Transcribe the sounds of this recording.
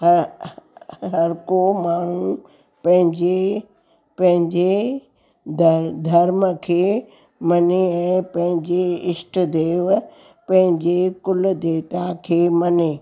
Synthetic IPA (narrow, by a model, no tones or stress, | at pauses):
h | ɦɐɾkomaːɳ̤ũ | pɐ̃ɦɪ̃ɲd͡ʑe | pɐ̃ɦɪ̃ɲd͡ʑe | d̪d̪ʱɐɾməkʰeː | mɐneɛ̃ːpɐ̃ɦɪ̃ɲd͡ʑeɪsʈd̪eːʋ | pɐ̃ɦɪ̃ɲd͡ʑekʊld̪eːʋt̪akʰeːmɐneː